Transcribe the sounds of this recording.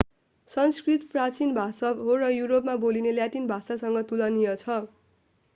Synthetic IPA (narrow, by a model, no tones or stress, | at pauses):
sʌnskrit̪prat͡sinbʱasʌbɦorʌjuɾopmabolineljaʈinbʱasasʌŋɡʌt̪ulʌnijʌt͡sʰʌ